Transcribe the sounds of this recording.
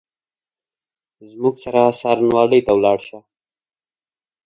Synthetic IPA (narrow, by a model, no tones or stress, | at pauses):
zmuɡsaɾasɑɾanwɑləjt̪awlɑɽʃa